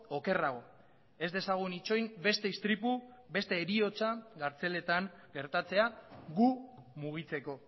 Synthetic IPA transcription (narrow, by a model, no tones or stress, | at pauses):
oke̞raɣ̞o̞ | e̞zd̪e̞saɣ̞unit͡ʃo̞jmbe̞st̪e̞ist̪ɾipube̞st̪e̞ːɾio̞t͡saɣaɾt͡se̞le̞t̪aŋ | ɡe̞ɾt̪at͡se̞aɣumuɣ̞it͡se̞ko̞